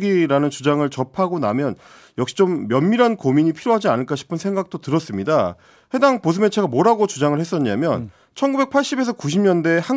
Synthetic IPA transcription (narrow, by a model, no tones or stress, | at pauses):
ɡiɾanɯnt͡ɕud͡ʑaŋɯɭt͡ɕʌpʰaɡonamjʌn | jʌk̚ɕ͈it͡ɕomːjʌnːiɾɦankomiɲipʰiɾjoɦad͡ʑianɯɭk͈aɕʰi̥pʰɯnsʰe̞ŋɡak̚t͈otɯɾʌs͈ɯmɲida | he̞daŋpos̬ʰɯme̞t͡ɕʰe̞ɡamʌɾaɡot͡ɕud͡ʑaŋɯɭhe̞s̬͈ʌɲamjʌn | t͡ɕʰʌnɡube̞k̚pʰaɭɕ͈ibe̞sʰʌkuɕ̬ʰimɲʌnde̞ha